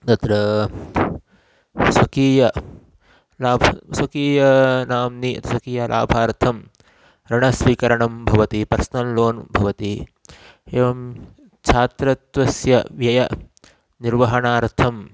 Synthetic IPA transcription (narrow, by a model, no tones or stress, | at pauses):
t̪ɐt̪ɾɐ | swɐkiːjɐ | laːbʱɐswɐkiːjɐnaːmniɐ̰t̪iswɐkiːjalʔa̰ːbʱaːɾt̪ʰɐm | ɾɐɳɐsʋiːkɐɾɐɳɐmbʱɐʋɐt̪ipɐɾsnɐlloːnbʱɐʋɐt̪i | eːʋɐm | t͡ʃʰaːt̪ɾɐt̪ʋɐsjɐʋjɐjɐ | niɾʋɐɦɐɳaːɾt̪ʰɐm